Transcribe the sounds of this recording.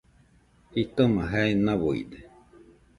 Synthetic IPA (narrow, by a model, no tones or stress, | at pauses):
hit̪omaɦaenãβoḭd̪e